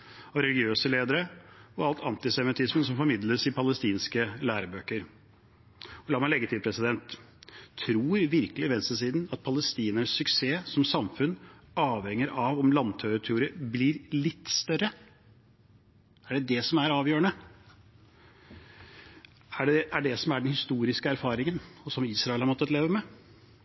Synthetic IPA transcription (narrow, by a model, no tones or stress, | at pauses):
ɑʋɾɛlɡɪøːsəleːd̪əɾəɔɑlt̪ʰɑ̰nt̪ɪsɛmɪt̪ʰɪsmənsɔmfɔɾmɪd̪ləsɪpʰɑləst̪iːnskəlæːɾəbøːkəɾ | ɔlɑːmɛɪlɛɡət̪ʰɪlpʰɾɛsɪd̪ɛnt̪ʰː | ɾuːɾʋɪɾkəlɪʋɛnsəsiːd̪nɑt̪̚pʰɑləst̪iːnəɾəssʏkseːsɔmsɑmfʉnɑːʋhɛŋːəɾʔɑʋɔmlɑnt̪ʰœət̪ʰʉʊɾəblɪɾlɪt̪ːst̪œɾə | æɖɛd̪ɛsɔmæɾɑːʋjøːəɳnə | æɖɛʔæɖɛsɔmæɖɛnhɪst̪uːɾɪskəæɾfɑːɾɪŋənɔsɔmiːsɾɑɪɛlhɑɾmɔt̪ːət̪leːʋəmɛ